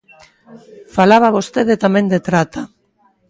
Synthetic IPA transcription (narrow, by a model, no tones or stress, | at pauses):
falaβ̞aβ̞ost̪eðet̪amẽnd̪et̪ɾat̪a